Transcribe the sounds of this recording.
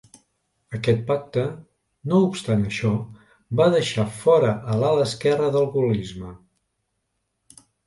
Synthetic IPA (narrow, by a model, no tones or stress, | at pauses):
əkɛt̪̚pak̚t̪ə | noupst̪anəʃɔ | baðəʃafɔɾəʔəlaləskɛrəðəlˠɣulizmə